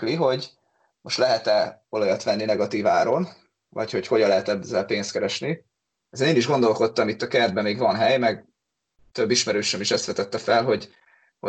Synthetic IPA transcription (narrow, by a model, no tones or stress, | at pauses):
kliɦo̞ɟ | mo̞ʃt̪lɛɦɛt̪ɛo̞lojɒt̪ʋɛnːinɛɡɒt̪iːvaːɾo̞n | vɒ̰cho̞cho̞ɟɒlːɛɦɛt̪ɛbzːɛlpeːnst̪kɛɾɛʃni | ɛzeneːniʒɡo̞nd̪o̞lko̞t̪ːɒmit̪ːɒkɛrd̪bɛmeːɡvɒnɦɛjmɛɡ | t̪ø̞bːiʃmɛɾøːʃɛmiʃɛst̪ʋɛt̪ɛt̪ːɛfɛlɦo̞ɟ | ho